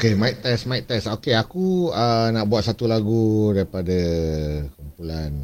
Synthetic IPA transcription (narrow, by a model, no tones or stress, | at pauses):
okemãiʔ̚t̪ɛsmãiʔt̪ɛsokeakuənaʔbuwat̪̚sat̪ulaɡudaɾipadə | kumpulan